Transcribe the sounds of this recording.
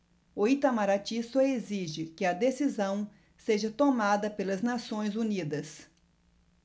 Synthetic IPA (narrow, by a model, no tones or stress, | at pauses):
oit̪amaɾat͡ʃisoeziʒɪkɪɐd̪esizɐ̃w̃ | seʒɐt̪omad̪ɐpelɐznasõj̃zunid̪ɐs